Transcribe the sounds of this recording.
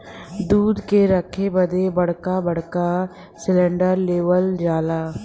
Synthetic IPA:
d̪uːd̪keɾəkʰebəd̪ebəɽkabəɽka | sɪlɛ̃ːɳɖəɾleːʋəld͡ʒaːlaː

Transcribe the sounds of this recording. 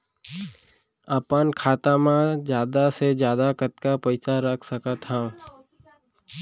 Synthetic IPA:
əpənkʰaːt̪amãd͡ʒjaːd̪ased͡ʒjaːd̪akət̪kapəɪsaɾəkʰsəkat̪hãː

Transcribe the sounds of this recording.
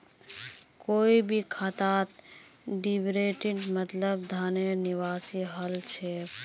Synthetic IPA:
koːibʱikʰat̪aːt̪ɖibɾeʈiʈmət̪ləb̚d̪ʱaːneniʋaːsiɦəlt͡ʃʰe

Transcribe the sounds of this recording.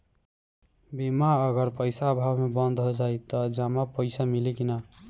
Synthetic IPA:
bimaəɡəɾpəjsaːbʱabmebənd̪ɦod͡ʒajt̪əd͡ʒamapəɪsamilikina

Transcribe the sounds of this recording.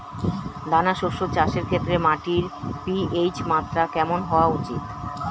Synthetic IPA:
d̪anaʃoʃot͡ɕaʃeɾkʰet̪ːɾemaʈiɾpiejt͡ɕmat̪ːɾakɛmonɦɔoaut͡ɕit̪

